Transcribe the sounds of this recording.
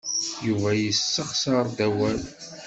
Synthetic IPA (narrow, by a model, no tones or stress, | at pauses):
juvæjəsːəχsəɾˤd̪æwæl